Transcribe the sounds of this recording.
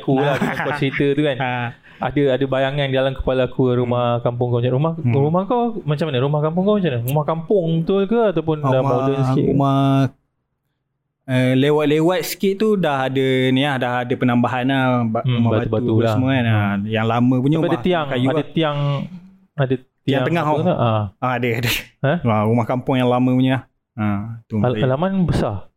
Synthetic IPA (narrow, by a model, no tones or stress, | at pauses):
kulahkuwat͡ʃəɾit̪ət̪ukan | a̰dəadəbajaŋandidalamkə̥palakʰuɾumahkampʊŋkawmaɾumahɾumahkawmat͡ʃamanəɾumahkamp̬ʊŋkamat͡ʃamanəɾumahkampʊŋt̪ukəat̪awpʊndaadɔɲəsəiuma | əlewat̪̚lewat̪̚sə̥kiʔt̪udahadəniahdahadəpənambaɦanahumabat̪ubauulashəməanajaŋlamə̃puɲəupadat̪iaŋkajuadət̪iaŋ | adət̪iaaŋəŋaahʊŋt̪uʔaaadəadəhaarumahkampʊŋjaŋlamə̃puɲəlah | at̪ualamanbəsa